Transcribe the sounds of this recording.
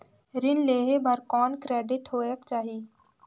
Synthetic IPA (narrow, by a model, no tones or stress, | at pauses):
ɾɪnleːɦebʱəɾkɔːnkɾeːɖɪʈɦoːekt͡ʃaːɦi